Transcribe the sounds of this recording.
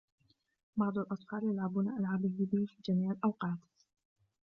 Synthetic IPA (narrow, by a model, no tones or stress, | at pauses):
bɑʕd̪ˤalʔɑt̪ˤfɑːljalʕabʊnaʔalʕabɪbɪbɪfiːd͡ʒamiːʕɪlʔɑwqɑːt̪